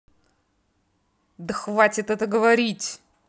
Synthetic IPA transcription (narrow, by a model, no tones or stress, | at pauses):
d̪əxvatʲɪt̪ɛt̪əɡəvɐɾʲitʲ